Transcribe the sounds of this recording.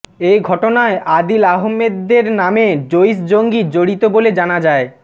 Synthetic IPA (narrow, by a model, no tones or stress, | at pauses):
ejɡʱɔʈonaeʔad̪ilaɦomːed̪ːeɾnamed͡ʑojsd͡ʑoŋɡid͡ʑoɽit̪oboled͡ʑanad͡ʑae